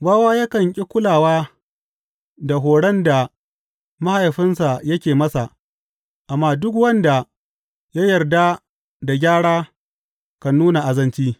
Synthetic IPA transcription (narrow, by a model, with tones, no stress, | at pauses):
baː˦waː˦ja˦kɐ˨ŋkʲʼɪ˦kʷʊ˦laː˨waː˦ | da˨ɦoː˨ɽɐ˦nda˨ | ma˦ha˨jɸɪ˦nsa˨jɐ˦kʲeː˨mɐ˦sa˨ | ʔa˨mːaː˦dʊ˦k̬wɐ˦nda˨ | ja˦jɐ˨rda˦ | da˨ɡʲaː˦ɽaː˦ | kɐ˨nːuː˦na˨ʔa˨zɐ˦nt͡ʃiː˦